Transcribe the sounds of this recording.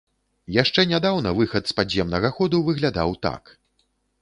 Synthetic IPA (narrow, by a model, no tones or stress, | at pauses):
jaʂt͡ʂɛnʲad̪awnɐvɨxɐt̪spad͡zzʲjɛmnɐɣɐxɔd̪uvɨɣlʲad̪a̰wt̪a̰k